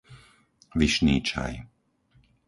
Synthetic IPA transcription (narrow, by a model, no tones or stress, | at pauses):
ʋiʃniːt͡ʃa̰j